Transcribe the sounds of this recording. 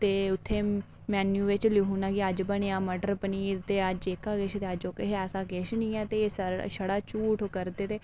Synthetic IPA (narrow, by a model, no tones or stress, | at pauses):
t̪eːʊt̪ʰːeː | mɛːnjuːʋɪt͡ʃliɦuːnaːkiəd͡ʒbəɳ̃eaːməɖəɾpəniːɾt̪eːəd͡ʒekaːɡɪʃt̪eːəd͡ʒokeɛːsaːɡɪʃnĩːɛːt̪eːsəʃəɽaːt͡ʃuːʈokəɾd̪eːt̪eː